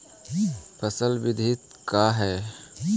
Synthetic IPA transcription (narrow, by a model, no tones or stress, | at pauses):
pʰəsəlbɪd̪ʱit̪̚ | kaɦɛː